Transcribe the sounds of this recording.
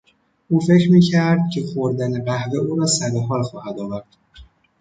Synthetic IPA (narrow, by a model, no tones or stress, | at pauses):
ʔuːfe̞cʰɾmiːcʰæɾd̪̚cʰe̞xoɾd̪æne̞ɣæhve̞uːɾɒːsæɾeɦɒːlxɒːhæd̪ɒːvæɾd̪̥